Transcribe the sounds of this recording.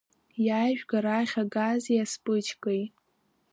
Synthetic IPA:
jaːjʒᶣɡaɾaχʲaɡazjaspʼɨt͡ʃʰkʼej

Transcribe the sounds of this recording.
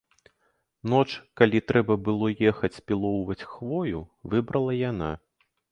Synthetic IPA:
n̪ɔt͡ʂkalʲit̪ɾɛbɐbɨlˠɔjɛxɐt͡sʲpʲilˠɔwvɐt͡sʲxvɔjuvɨbɾɐlˠɐjana̰

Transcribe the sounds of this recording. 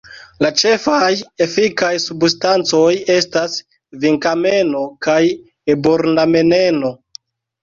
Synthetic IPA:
lat͡ʃe̞faje̞fikajsubstant͡so̞je̞stas | viŋkame̞no̞kaj | eboɾname̞ne̞no̞

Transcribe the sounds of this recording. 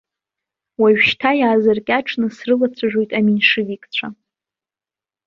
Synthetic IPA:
waɥʃtʰajaːzɨrkʲʼaʈ͡ʂʰnɨsrɨlat͡sʷʰaʒᶣo̞jtʼaminʂɨvikʼt͡ɕʷʰa

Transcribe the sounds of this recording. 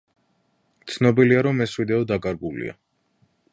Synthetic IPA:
t̪sʰnɔbiliaɾɔmɛswid̪ɛɔd̪akʼaɾɡulḭa̰

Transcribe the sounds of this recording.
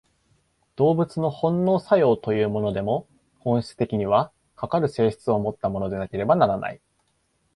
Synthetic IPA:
d̪̥o̞ːbɯ̟t͡sɨno̞hõ̞nːo̞ːsajo̞ːt̪o̞jɯ̟ːmo̞no̞d̪e̞mo̞ | hõɰ̃ɕi̥t͡sɨ̥t̪e̞kʲiɲ̟iβ̞a | kakaɾɯ̟se̞ːɕi̥t͡sɨo̞mo̞t̪ːamo̞no̞d̪e̞nake̞ɾe̞banaɾanʔa̰i

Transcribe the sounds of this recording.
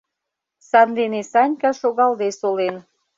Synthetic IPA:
sɑnd̪enesɑnʲkɑʃoɣɑld̪esolen

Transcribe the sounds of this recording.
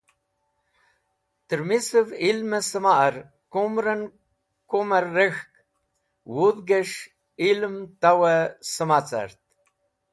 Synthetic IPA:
t̪ɾmisəvilməsəmaʔɾ | komɾən | koməɾːexk | wuðɡəʂ | ilmt̪awəsəmat͡sa̰ɾt̪̚

